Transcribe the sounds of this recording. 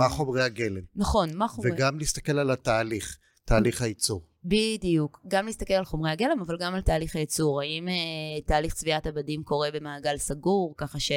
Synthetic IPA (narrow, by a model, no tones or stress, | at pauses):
maχo̞mʁeaɡelemnaχo̞nmaχoveɡamliist̪ake̞lalataːliχ | t̪ʰaːliχhait͡suʁ | bidijukɡamlist̪ake̞lalχo̞mʁeaɡe̞le̞mavalɡamaltaːliχhajit͡suʁaimetaːliχt͡sviatabadimko̞ʁe̞be̞maːɡalsaɡuʁkaχaʃe